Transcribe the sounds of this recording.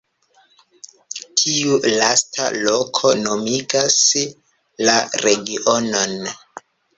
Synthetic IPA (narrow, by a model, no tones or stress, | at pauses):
tʰiulastʰa̰lokʰo̞no̞miɡas | laɾe̞ɡiʔo̞no̞n